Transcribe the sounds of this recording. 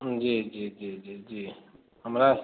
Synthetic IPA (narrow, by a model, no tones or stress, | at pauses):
d͡ʒid͡ʒid͡ʒid͡ʒid͡ʒi | əmɾas